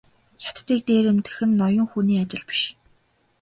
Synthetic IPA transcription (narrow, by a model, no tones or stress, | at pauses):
jḁt̪ːiːk̚t̪eːɾemt̪ɘ̆xɘ̆nːɔjʊ̆ŋxuniːat͡ɕɪ̆ɮpi̥ʃ